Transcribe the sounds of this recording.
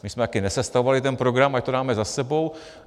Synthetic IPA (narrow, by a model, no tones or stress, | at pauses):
mɪsmɛt̪akɪnɛsɛst̪avovalɪt̪ɛnpɾo̞ɡɾamact̪odaːmɛzasɛbo̞w